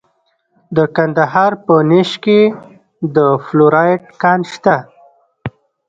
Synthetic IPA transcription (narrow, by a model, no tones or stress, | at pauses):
d̪əkand̪aɦɑɾpəneʃke | d̪əfloɾɑjʈ̚kɑnʃt̪a